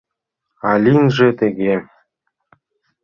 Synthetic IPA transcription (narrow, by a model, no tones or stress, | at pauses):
ɑlʲinʐɘ̆t̪ĕɡʲe